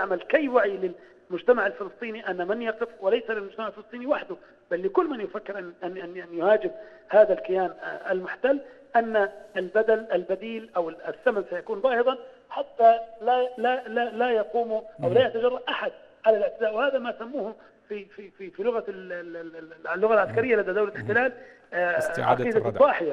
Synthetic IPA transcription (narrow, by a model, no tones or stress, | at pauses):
aʕmalkajːwaʕilɪl | mʊd͡ʒt̪amaʕɪlfɪlɨsˤt̪ˤiːniʔanːamɪnjɑqɪfwɪlajsalɪlmʊd͡ʒt̪amaʕɪlfɪlɨsˤt̪ˤiːniwaħd̪ʊ | b̥alːɪkʊlːmɪnjʊfakːɪɾʔanʔnɪnanːjʊhaːd͡ʒɪbhaːðalkɪjaːnʔɪlmʊħt̪alː | ʔanːaʔɪlbad̪alʔɪlbad̪iːlʔawɪɪθːamansajakuːnbɑːhɨd̪ˤɑn | ħat̪ːalalalalajɑquːmʊʔʔawlaːjat̪ad͡ʒɑrˤːɑdʔaħad̪̚ | ʕalalɪʕt̪ɪzaːʔwɪhaːðamasamːuːh | fifififilʊɣa | lːʊɣalʕaskaɾɪjːalad̪ad̪awlalɪħt̪ɪlaːl | ʔɑ̰iːd̪aˤɑːħɪja